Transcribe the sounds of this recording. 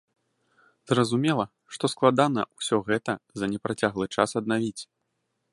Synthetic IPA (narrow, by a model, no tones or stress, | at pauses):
zrɐzumʲɛlˠɐ | ʂt̪ɔsklˠad̪an̪ɐusʲɔɣɛt̪ɐzɐnʲɛpɾat͡sʲaɣlˠɨt͡ʂasɐd̪̚navʲit͡sʲ